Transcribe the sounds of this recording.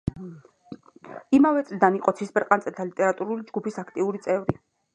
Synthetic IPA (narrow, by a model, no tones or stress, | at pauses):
imavɛt̪sʼlid̪aniqʼɔt̪sʰisbɛɾqʼant̪sʼɛlt̪ʰalit̪ʼɛɾat̪ʼuɾulid͡ʒɡupʰisakʰt̪ʼiuɾit̪sʼɛvɾi